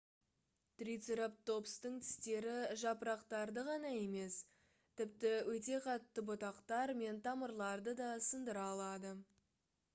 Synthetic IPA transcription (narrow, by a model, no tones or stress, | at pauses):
t̪rit̪seɾap̚t̪o̞pst̪əɴt̪ʰɪ̥st̪e̞ɾɪʒɑpəɾɑqt̪ɑɾd̪əʁɑnɑe̞me̞s | t̪ʰɪpt̪ɪwɵt̪e̞qʰɑt̪ːəbot̪ɑqt̪ɑɾme̞nt̪ʰɑməɾlˠɑɾd̪əd̪ɑsənd̪əɾɑːlˠɑd̪ə